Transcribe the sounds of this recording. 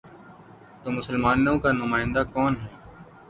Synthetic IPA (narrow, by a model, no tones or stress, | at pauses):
t̪oːmʊsəlmaːnõkanʊmaːɪ̃nd̪aːkɔːnɦɛː